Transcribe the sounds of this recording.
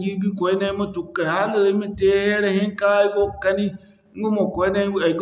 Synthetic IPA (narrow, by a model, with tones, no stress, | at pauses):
ɡi˦bi˦kɔ˨i˦na˦i˦ma˦tu˨˦ka˨ha˦lo˨i˦me˦te˦he˦ɾe˦hi˦ŋ˦ka˦i˦ɡo˦ka˦ni˦ | ŋ̩˦ɡo˦mo˨kɔ˨i˦ne˦˨a˨i˨ɡ